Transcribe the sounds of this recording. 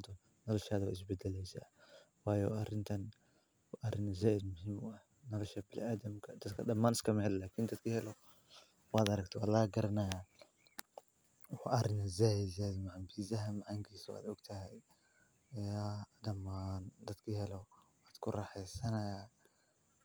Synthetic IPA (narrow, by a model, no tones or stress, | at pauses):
d̪ʊ | nɔlɔʃaːðwa̰ːɪs̬bɛd̪ɛlɛjsa̰wɑːjɔɐrɪnt̪ʰɐn | wʔɐrɪnzaːʔɪd̪mʊɦiːmɐh | nɔlɔʃɐbɪlʔaːd̪ɐmkʰɐd̪ɐd̪kʰɐdɐmːaːnɪskʰɐmɐhɛllaːkʰind̪ɐd̪kʰɐhɛlɔ | waːd̪ɐɾɐk̚t̪ʰɔwalaːɡɐɾɐnɐja | a̰ʔɐɾɪnɐzaːjɪd̪zaːd̪maʕambiːzɐɦɐmʕaŋkʰiːsɔwa̰ːd̪ɔɡt̪ʰɐɦɛj | ɐjad̪ɐmːaːnd̪ɐd̪kʰɐɦɛlɔ | waːd̪kʰʊrɑħɛjsɐnɐja